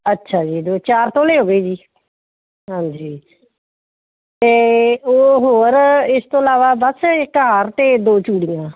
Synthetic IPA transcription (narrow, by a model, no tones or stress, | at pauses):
ətːʃʰaːd͡ʒiːd̪oːt͡ʃaːɾt̪õːleːɦoːɡeːd͡ʒiː | ɦãːɲd͡ʒiː | t̪eːoːɦoːɾɪst̪õːɪlaːʋaːbəsɪkɦaːɾt̪eːd̪oːt͡ʃuːɽɪjãː